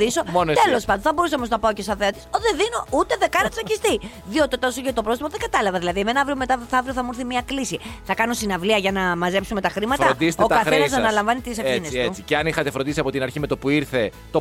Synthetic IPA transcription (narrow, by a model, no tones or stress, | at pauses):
iso̞ont̪elo̞spɐnd̪õnθɐboɾuseomoznɐpaocest̪ɐðeɐt̪i̥soðeðino̞ut̪e̞ðekɐnɐt̪sɐcist̪i | ðio̞t̪iot̪o̞soʝɐt̪opɾot̪ipoðeŋɡɐt̪ɐlɐvɐðilɐðiemenɐɐvɾiome̞t̪ɐθɐvɾioθɐmuɾθimiɐklisiθɐkɐno̞st̪inɐvliɐʝɐnɐmɐze̞psume̞t̪ɐxɾimɐt̪ɐɾod̪ise̥t̪okɐθenɐzɐnɐlɐɱvɐnit̪ɾisɐineset͡si̥ceɐnixɐt̪e̞fɾond̪isiɐpo̞t̪inɐɾçime̞t̪o̞puiɾθe̞ | t̪o